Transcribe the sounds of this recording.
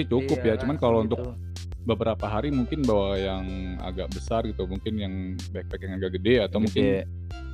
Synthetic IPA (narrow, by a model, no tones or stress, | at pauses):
it͡ʃukʊpjat͡ʃumankalount̪ʊk̚ | bəbəɾapaɦaɾimuŋkɪnbawajaŋ | a̰ɡaʔbəsarɡit̪umuŋkɪnjaŋ | bak̚pajkjaŋaɡaʔɡədɛat̪awmuŋkɪn